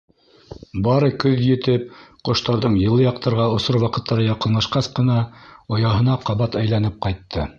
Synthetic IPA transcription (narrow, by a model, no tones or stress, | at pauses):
bɑɾɤkɵðjɘ̆t̪ɘp̚qŏʃt̪ɑɾðɤɴjɤ̆lˠːɤjɑq̚t̪ʰɑɾʁɑŏsoɾwɑqɤ̆t̪ʰːɑɾɤjɑqɤ̆nlˠɑʃqɑsqɤ̆nɑŏjɑɦɤ̆nɑqɑβɑt̪æjlæn̪ɘp̚qɑjt̪ːɤ